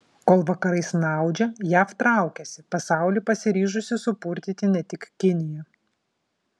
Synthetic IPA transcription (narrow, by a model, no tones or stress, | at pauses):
koːlˠʋɐkɐɾɐɪsnɑˑʊd͡ʒʲɛjæːft̪ɾɑˑʊkʲɛsʲɪpɐsɑˑʊlʲipɐsʲɪɾʲiːʒʊsʲɪsʊpʊɾʲt̪ʲɪt̪ʲɪnʲɛt̪ʲɪkkʲɪnʲɪjɛ